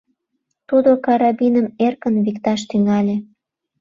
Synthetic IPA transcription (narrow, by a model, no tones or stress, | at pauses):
t̪ud̪okɑɾɑbinəmerkənβikt̪ɑʃt̪yŋɑlʲe